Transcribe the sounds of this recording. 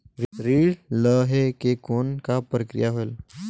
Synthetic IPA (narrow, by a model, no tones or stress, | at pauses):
ɾiːɽləɦekekonkapɾəkɾḭjaɦojl